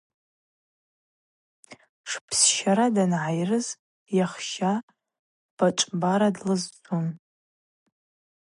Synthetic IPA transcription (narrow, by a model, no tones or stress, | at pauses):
ʂpʰsʃaɾadanʕajrɨz | jaχʃa | b̥aʈ͡ʂʼbaɾadlɨzd͡zun